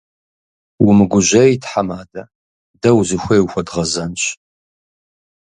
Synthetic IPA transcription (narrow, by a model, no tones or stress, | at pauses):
wʊmɨɡʷʊʑʷɐjtħamaːdɐ | dɐwzɨxʷɐjwxʷɐdʁɐzɐnɕ